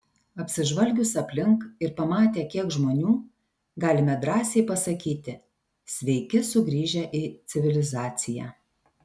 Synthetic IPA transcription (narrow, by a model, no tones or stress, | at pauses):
ɐpʲsʲɪʒʋɐlʲɡʲʊsɐpʲlʲɪŋkɪɾpɐmɑːt̪ʲeːkʲiɛkʒmoːnʲuː | ɡɑːlʲɪmʲɛd̪ɾɑːsʲɛɪpɐsɐkʲiːt̪ʲɪ | sʲʋʲɛɪkʲɪsʊɡɾʲiːʒʲɛʔiːt̪sʲɪʋʲɪlʲɪzɑːt̪sʲɪjæ̰ː